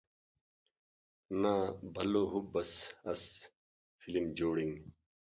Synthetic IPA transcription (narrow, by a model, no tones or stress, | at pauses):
nabʱɐloɦubɐsɐs | filimd͡ʑoːɽiŋ